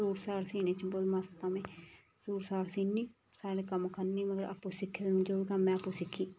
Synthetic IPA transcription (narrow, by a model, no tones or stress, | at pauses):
uːɾsaːlsiːneːt͡ʃbolmast̪aːmẽː | suːɾsaːɾsiːnːiː | saːɽeːkəmkʰəɾniːməɡəɾʔa̰pːoːsɪkʰːeːd̪nũːd͡ʒoːɡaːmɛ̃ːəpːõːsɪkʰːiː